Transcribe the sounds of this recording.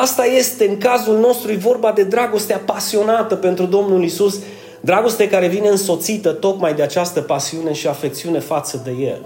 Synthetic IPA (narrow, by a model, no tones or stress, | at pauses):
ast̪aje̞st̪e̞ɨŋkazulno̞st̪ɾujvo̞rbad̪e̞d̪ɾaɡo̞st̪eapasio̞nat̪əpe̞nt̪ɾud̪o̞mnulisus | d̪ɾaɡo̞st̪ekaɾe̞vineɨnso̞t̪sit̪ət̪o̞kmajd̪e̞at͡ʃast̪əpasiune̞ʃiafe̞k̚t̪siune̞fat̪səd̪e̞je̞l